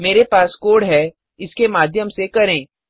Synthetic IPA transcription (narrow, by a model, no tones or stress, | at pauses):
meːɾepaːskoːɽɦɛ | ɪskemaːd̪ʱjəmsekɐɾẽː